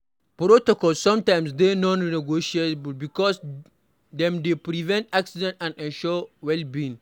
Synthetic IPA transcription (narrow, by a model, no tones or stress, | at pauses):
pɾotɔkɔlssɔ̃mtãɪ̃msdenɔ̃nnɛɡoʃietblbikɔs | dɛ̃mdepɾivɛ̃ntaksidɛ̃ntãndɛ̃nʃɔwɛlbĩn